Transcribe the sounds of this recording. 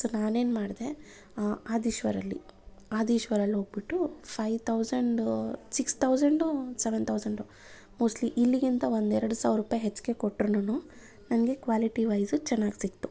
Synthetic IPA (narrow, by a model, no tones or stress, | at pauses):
sɐnaːne̞ːnmaːɽd̪e | aːd̪iːʃʋɐɾɐlːḭaːd̪iːʃʋɐɾɐlːɦo̞ːɡ̚biʈːupʰɐjʋt̪ʰɐwzɐɳɖsikst̪ʰɐwd͡ʒɐɳɖuseʋent̪ʰɐwsɐɳɖu | moːsʈliʔilːiɡint̪ɐʋo̞nd̪ɛɾɐɽusaːʋɾuːpaːjɦet͡ʃːke̞koʈːɾonunuː | nɐnɡe̞kʋaːliʈiʋɐjzut͡ʃɛnːaːɡsikt̪u